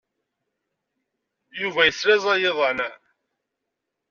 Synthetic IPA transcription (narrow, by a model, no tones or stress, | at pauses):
juvæjəsɾæzˤɑjeðˤɑnæ